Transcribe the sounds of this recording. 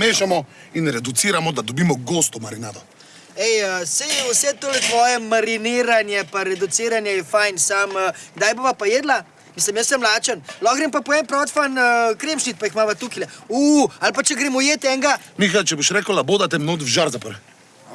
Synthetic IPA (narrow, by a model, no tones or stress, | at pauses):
meːʃamɔ | inɾɛd̪ut̪siɾamɔd̪ad̪ɔbiːmɔɡost̪ɔmaɾinaːd̪ɔ | ɛjəsɛjwsɛt̪oːlɛt̪ʋɔːjɛmaɾiniːɾanjɛpaɾɛd̪ut̪siːɾanjɛjɛfajnsaməːɡ̥d̪ajboʋapajeːd̪la | miːsləmjəsːəmlaːt͡ʃənlɔɣɡɾempapɔɛmpɾɔt̪fanəkɾeːmʃnit̪̚paixmaʋat̪ukilɛualpat͡ʃɛɡɾeːmujeːt̪ɛŋɡamixat͡ʃɛboʃɾɛːkəwlaboːd̪at̪ɛmnod̪fʒaɾzapəɾ